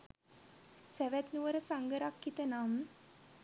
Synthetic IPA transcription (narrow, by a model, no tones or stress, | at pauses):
sæʋæt̪nuʋəɾəsaŋɡəɾakːit̪ənaːmə